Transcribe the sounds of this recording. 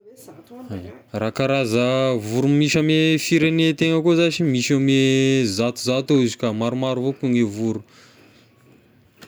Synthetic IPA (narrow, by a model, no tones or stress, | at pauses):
arakaɾazəvuɾumiʃamefiɾenet̪eŋəkozat͡ʃimiʃamezat̪uzat̪eizikamaɾumaɾuvokuŋevuɾu